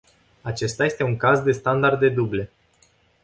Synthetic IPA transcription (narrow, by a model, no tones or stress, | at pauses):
at͡ʃe̞st̪aje̞st̪e̞uŋkazd̪e̞st̪and̪ard̪e̞d̪uble̞